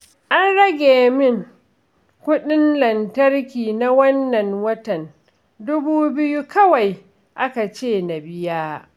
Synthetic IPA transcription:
ʔa˦nɽɐ˦ɡʲeː˨mɪ˦ŋ | kʷʊ˦ɗɪ˦nlɐ˨ntɐ˦rkʲiː˨na˦wɐ˦nːɐ˨ŋwɐ˦tɐ˨n | dʊ˦buː˦bɪ˦ju˦kɐ˦wa˨j | ʔa˦ka˨t͡ʃeː˦˨na˨bɪ˦jaː˦

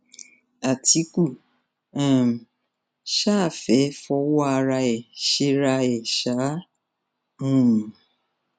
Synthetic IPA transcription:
a˨ti˦ku˦˨ | ɛ˦˨m̩˨ | ʃa˦˨fe˨˦fɔ˦wa˦˨ɾa˧e˨ʃi˦ɾa˦jɪ˨ʃa˨˦ | ũ˦m̩˨

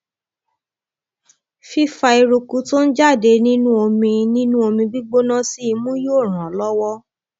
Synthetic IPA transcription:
fi˦fa˧i˧ɾu˧ku˧to˦n̩˦d͡ʒa˦˨de˧nĩ˦nũ˦o˧mĩ˧nĩ˦nũ˦o˧mĩ˧bi˦ɡ͡bo˦nã˦si˦i˧mũ˦jo˦˨ɾ̃ã˨lɔ˦wɔ˦

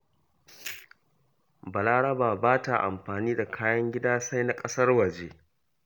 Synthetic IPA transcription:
bɐ˨la˦ɽɐ˦baː˨baː˦ta˨ʔa̰˨mɸaː˨niː˦da˨kʰaː˦jɐ˦ŋɡʲɪ˦daː˦sa˦jna˦kʼɐ˦sɐ˦rwɐ˨d͡ʒeː˦

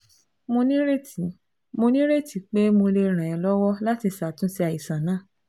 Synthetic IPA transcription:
mo˧nĩ˦ɾe˦ti˨ | mo˧nĩ˦ɾe˦˨ti˨k͡pe˦mo˧le˧ɾ̃ã˨ɛ˧˨lɔ˦wɔ˦la˦ti˧sa˨tũ˨˦si˧a˨i˨sã˨nãː˦˨

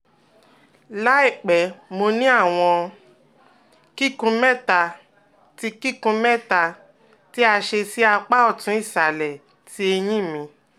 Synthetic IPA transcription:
la˦i˦˨k͡pɛ˨mo˧nĩ˦a˦˨w̃ɔ̃˧ | ki˦kũ˧mɛ˦˨ta˧ | ti˦ki˦kũ˧˦mɛ˦ta˧ | ti˦a˧ʃe˧si˦a˧k͡pa˦ɔ˦˨tũ˨˦i˦˨ʃa˨lɛ˨ | tʰi˦e˧j̃ĩ˦˨mĩ˧

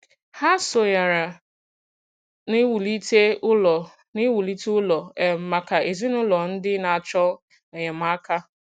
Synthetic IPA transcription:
ha˦so˨ja˨ɾa˨ | ni˦wu˨li˦te˦ʊ˦lɔ˨ | ni˦wu˨li˦tʊ˦lɔ˨e˨m̩˨ma˨ka˨ʔe˨zi˦nʊ˦lɔ˨n̩˦dɪ˦na˨t͡ʃɔ˦l | ne˨ɲe˨m̩˨a˦ka˦

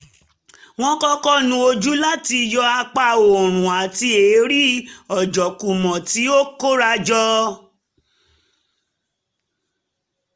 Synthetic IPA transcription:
w̃ɔ̃˦kɔ˦kɔ˦nũ˦o˧d͡ʒu˦la˦ti˧jɔ˧a˧k͡pa˧˨o˨ɾ̃ũ˨a˨ti˧e˨˦ɾi˦ɔ˨d͡ʒɔ˨ku˨mɔ̃˨ti˨˦o˦ko˦ɾa˧d͡ʒɔ˧˦

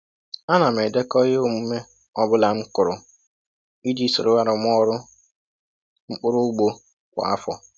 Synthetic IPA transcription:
a˦na˨m̩˨e˨de˦kɔ˦je˦o˦mu˨˦me˦ | ɔ˦bʊ˦la˨ŋ͡m̩˦kʊ˨ɾʊ˨ | i˦di˦so˨ɾʊ˦ɣa˦ɾʊ˨m˦ɔ˦ɾʊ˦ | ŋ͡m̩˦k͡pʊ˦ɾʊ˦ɡ͡bo˦ | kʷa̰˨a̰˦fɔ̰˨

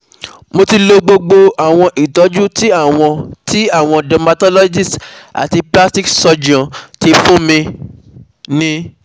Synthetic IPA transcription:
mo˧ti˧lo˧ɡ͡bo˧ɡ͡bo˧a˨w̃ɔ̃˧ʔi˨tɔ˨˦d͡ʒu˦ti˦a˦˨w̃ɔ̃˧ti˦a˦˨w̃ɔ̃˧dɛ˧ma˧tɔ˦lɔ˦d͡ʒi˦˨sta̰˨ti˧pla˦sti˦ksɔ˧d͡ʒã˨ti˧fũ˦mĩ˧ | nĩ˦

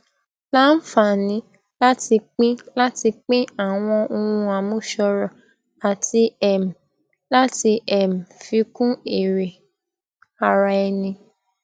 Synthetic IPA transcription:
la˦n̩˦fa˨nĩ˨˦ | la˦ti˧k͡pĩ˦la˦ti˧k͡pĩ˦a˦˨w̃ɔ̃˧o˧wũ˧a˨mõ˦ʃɔ˧ɾɔ˨ | a˨tʰi˧ɛ˨m̩˨ | la˦ti˧ʔɛ˨m̩˨fi˧kũ˦e˨ɾe˨ | a˨ɾa˧ɛ˧nĩ˧

